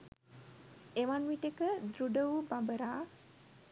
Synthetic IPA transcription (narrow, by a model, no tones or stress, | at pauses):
eʋanʋiʈekəd̪ɾuɖəʋubambəɾaː